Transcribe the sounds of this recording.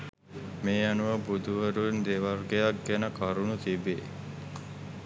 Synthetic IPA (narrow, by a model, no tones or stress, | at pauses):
meːanuʋəbud̪ʱuʋəɾuend̪eʋarɡejak̚ɡænəkaɾunut̪ibe